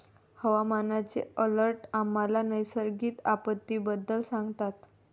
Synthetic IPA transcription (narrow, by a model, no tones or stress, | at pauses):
həʋamanat͡sḛələɾʈamːalanəjsəɾɡiːt̪apət̪ːiːbəd̪ːəlsãŋɡt̪at̪